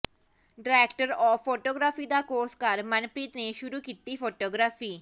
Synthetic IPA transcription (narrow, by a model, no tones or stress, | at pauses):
ɖɾɛːkʈəɾɔːpʰːoːʈoːɡɾaːpʰiːd̪aːkoːskəɾmənpɾiːt̪neːʃʊɾuːkiːt̪iːpʰoːʈoːɡɾaːpʰiː